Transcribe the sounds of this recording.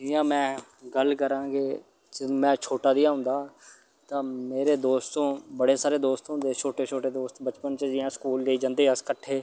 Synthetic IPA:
d͡ʒɪjãːmɛ̃ːɡəlkəɾãːɡeː | d͡ʒəmɛ̃ːt͡ʃʰoːʈaːd̪ijãːɦʊ̃nd̪aː | t̪ãːmeːɾeːd̪oːst̪õːbəɽeːsaːɾeːd̪oːst̪ɦʊ̃nd̪eːt͡ʃʰoːʈeːt͡ʃʰoːʈeːd̪oːst̪bət͡ʃpənt͡ʃəd͡ʒɪjãːskuːld͡ʒeːiːd͡ʒãːnd̪eːəskəʈʰːeː

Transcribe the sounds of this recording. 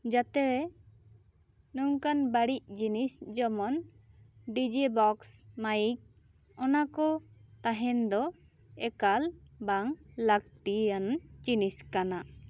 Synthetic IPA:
d͡ʒat̪ɛɾɛ | nuŋkanbaɽic̚d͡ʒinisd͡ʒɔmɔn | ɖid͡ʒibɔksmajik̚ | ɔnakɔt̪aɦɛnd̪ɔ | ɛkalbaŋlak̚t̪ijant͡ʃiniskana

